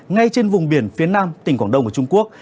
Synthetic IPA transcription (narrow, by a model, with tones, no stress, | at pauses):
ŋa˧jt͡ɕe˧nvʊ˨˩ŋ͡mɓi˧˩ənfi˨˦ənaː˧mt̪ï˨˩ŋ̟kwaː˧˩nɗə˧ŋ͡mkt͡ɕʊ˧ŋ͡mku˦˥ək̚